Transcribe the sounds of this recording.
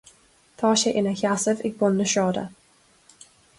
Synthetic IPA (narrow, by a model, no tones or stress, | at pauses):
t̪ʰɑːʃɛʔɪnəçasəvɪɡ̚bɔnːəʃɑːdə̰